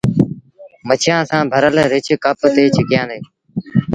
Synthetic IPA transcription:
mət͡ʃʰɪjãːsãːbʱəɾəlɾɪt͡ʃkəpt̪eːt͡ʃʰəkjãːd̪eː

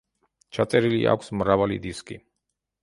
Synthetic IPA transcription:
t͡ʃʰat̪sʼɛɾilḭʔa̰kʷʰsmɾavalḭd̪iskʼi

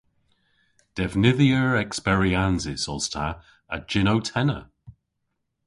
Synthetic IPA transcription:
d̥ɛvnɪðiəɹɛkspɛɹianzɪsɔz̥tʰa | əd͡ʒɪnowtʰɛnə̰

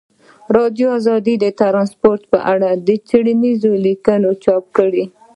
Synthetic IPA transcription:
ɾɑd̪joazɑd̪id̪ət̪aɾɑnspoɾt̪pəʔaɽad̪ət͡siɽənizolikənot͡ʃɑp̚kəɽi

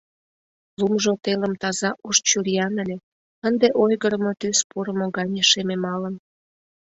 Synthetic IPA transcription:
lumʒot̪eləmt̪ɑzɑʔoʃt͡ɕurijɑnəlʲe | ənd̪eʔojɣəɾəmot̪yspuɾəmoɣɑnʲəʃememɑlən

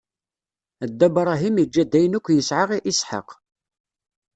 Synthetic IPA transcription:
əd̪ːæbɾˤɑɦiməd͡ʒːæd̪ːæjənækʷːjəsʕaʁiʔisħɑ̰q

